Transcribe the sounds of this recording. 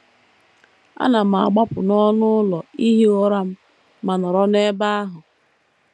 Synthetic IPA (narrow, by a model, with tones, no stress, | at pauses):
a̰˦na˨m̩˨a˨ɡ͡ba˦pʊ˨nɔ˦nʊ˦lɔ˨i˦ɦi˦ɔ˦ɾa˦m̩˦ | ma˨nɔ˨ɾɔ˦ne˦ba˦a˦ɦʊ˨